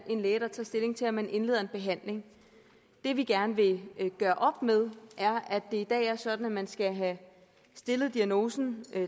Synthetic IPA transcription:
ʔe̝nleːdɑt͡sʰɑ̰̈ːsd̥e̝le̝ŋt͡sʰe̝læmænʔe̝nle̝ðˠɐenb̥e̝ɦæn̰le̝ŋ | d̥e̝ʋiɡ̥æɐnəʋe̝ɡ̥ɶːɐʔɒ̽b̥meðˠʔæɐʔæd̥e̝id̥ɛ̰ːæɐsɒ̽d̥n̩æmænsɡ̥æɦæ | sd̥e̝ləð̞̩ˠd̥iæno̝ːsn̩

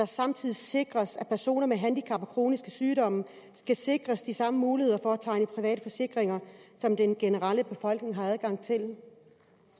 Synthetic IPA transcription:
ɑ̈sɑ̈mt͡sʰið̰ˠise̝ɡ̥ʁɐsæpʰæɐso̝̰ːnɐmeɦænd̥ikʰɑ̈b̥ɒkʰʁo̝ːnisɡ̥əsyːɾɒ̽m̰ə | sɡ̥æse̝ɡ̥ʁɐsd̥isɑ̈məmuːlihe̝ðˠɐfɒæt͡sʰɑ̈ɪ̰nəpʰʁiʋɛ̰ːɾəfɒ̽se̝ɡ̥ʁeŋɐsɒ̽md̥enɡ̥e̝nəʁɑləb̥e̝fɒ̽l̰ɡ̥ne̝ŋɦɑ̈æð̞ˠɡ̥ɑ̈ŋ̰t͡sʰe̝l

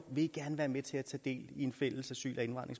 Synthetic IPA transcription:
ʋe̝iɡ̥æɐnəʋæːɐmet͡sʰe̝æt͡sʰɛ̰ːd̥e̝̰ːlie̝nfel̰əsæsy̰ːlʔæe̝nʋɑ̈n̰ʁeŋs

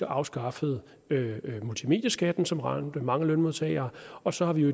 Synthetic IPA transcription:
ɐʔɑ̈ʊsɡ̥ɑ̈fəð̞̩ˠ | ømult͡sʰime̝̰ːd̥jɐsɡ̥æd̥n̩sɒ̽mʁɑnd̥əmɑ̈ŋəlønmo̝ðˠt͡sʰɛ̰ːɪɐːɒ̽sɒ̽hɑ̈ʋie

